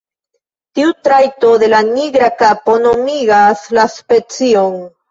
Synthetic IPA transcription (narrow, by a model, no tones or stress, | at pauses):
tiutɾajto̞d̪e̞laniɡɾakapo̞no̞miɡaslaspe̞t͡sio̞n